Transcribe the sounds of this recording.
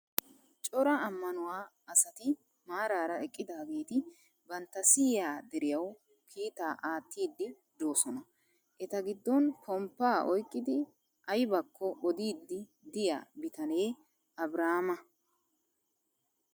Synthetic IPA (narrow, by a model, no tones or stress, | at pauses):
t͡ʃʼɔɾɐɐmːɐnʊwaː | ɐsɐt̪ɪ | maːɾaːɾɐɛkʼːɪd̪aːɡeːt̪ɪ | bɐnt̪ːɐsɪjjaːd̪ɛɾɪjɐw | kʰiːt̪aːʔaːt̪ːiːd̪ːɪ | d̪o̞ːsɔnɐ | ʔɛt̪ɐɡɪd̪ːɔnpʰɔmpːaːʔɔjkʼːɪd̪ɪ | ʔɐjbɐkʰːɔʔɔd̪iːd̪ːɪ | d̪ɪja̰ːbɪt̪ɐne̞ː | ɐbɾaːmɐ